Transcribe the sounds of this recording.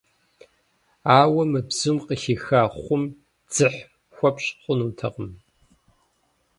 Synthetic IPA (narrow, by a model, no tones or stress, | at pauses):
aːwɐmɨbz̥umqəxixaːχʷʊm | d͡z̥ɨħ | xʷɔpɕʼχʷʊnuːtʰɐqəm